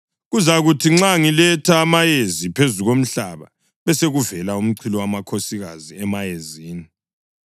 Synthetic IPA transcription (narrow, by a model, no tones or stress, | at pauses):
ɣuzaɣutʰiŋ͡ǁaŋilɛtʰaːmajezipʰezuɣom̩ɬaβa̰ | βɛseɣuvɛlaum̩ǀʰilɔwamakʰosiɣaziɛmajeziːni